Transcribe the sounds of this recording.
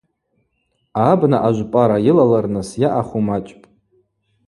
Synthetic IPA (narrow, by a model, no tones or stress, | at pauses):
abnaʔaʒʷpʼaɾajɪlalarnɨsjaʔaχumat͡ʃʼpʼ